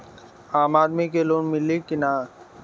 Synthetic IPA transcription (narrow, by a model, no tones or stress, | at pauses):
aːmaːd̪mikeloːnmɪlːikɪnaː